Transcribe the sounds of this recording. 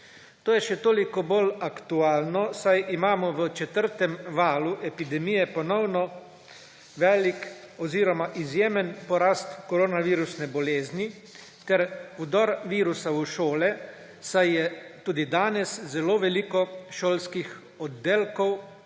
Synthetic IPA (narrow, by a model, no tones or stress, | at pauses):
t̪oːjɛʃɛt̪oːlikɔbolakt̪uaːlnɔsajimaːmɔʋət͡ʃɛt̪əɾt̪ɛmʋaːluʔɛpid̪ɛmijɛpɔnɔwnɔ | ʋɛːlik | ɔziːɾɔmaʔizjeːmənpɔɾaːst̪kɔɾoːnaʋiːɾusnɛbɔleːzni | t̪ɛɾwd̪ɔɾʋiːɾusauʃoːlɛ | sajjɛt̪uːd̪id̪aːnɛszɛloːʋɛliːkɔʃoːlskix | ɔd̪ːeːlkɔw